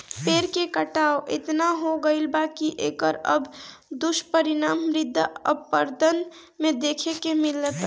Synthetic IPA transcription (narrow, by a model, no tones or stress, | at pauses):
peɾkekəʈaoʔḛt̪naɦoɡəɪlbakiʔḛkəɾə̰b | d̪uʃʈpəɾinaːmɾɪd̪ʱːə̰ppəɾd̪ən | med̪ekʰekemilət̪